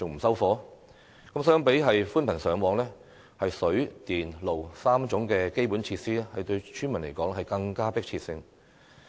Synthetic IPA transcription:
t͡sʊ˨ŋm̩˨˩sɐ˥wfɔː˨˥ | kɐ˨˥msœː˥ŋpe˨˥jɦɐ˨jfuː˥npʰɐ˨˩nsœː˨˧ŋwɔː˨˧˥ŋlɛː˥ | hɐ˨jsɵ˨˥ɥt̪iː˨nlo˨wsaː˥mt͡sʊ˨˥ŋkɛː˧ke˥jpu˨˥nt͡sʰiː˧t̚siː˥ɛ˥hɐ˨jt̪ɵ˧ɥt͡ʃʰy˥nmɐ˨˩nle˨˩kɔː˨˥ŋ˥hɐ˨jkɐ˧ŋkaː˥pɪ˥k̚t͡sʰiː˧t̚sɪ˧ŋ

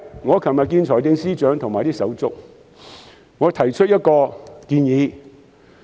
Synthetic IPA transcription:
ŋɔː˨˧kʰɐ˨nmɐ˨t̚kiː˧nt͡ʃʰɔː˨˩jt̪ɪ˧ŋsiː˥t͡ʃœː˨˥ŋt̪ʰʊ˨˩ŋmaː˨˩jt̪iː˥sɐ˨˥wt͡sʊ̰˥k̚ | ŋɔː˨˧t̪ʰɐ˨˩jt͡ʃʰɵ˥t̚jɐ˥t̚kɔː˧kiː˧njiː˨˧

